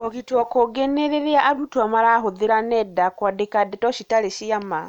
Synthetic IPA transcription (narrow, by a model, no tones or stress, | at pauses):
ɔkitwɔkoɡeneɾeɾeaʔaɾutwamaɾaɦoðeɾanɛdakwadekadɛtɔʃitaɾeʃiama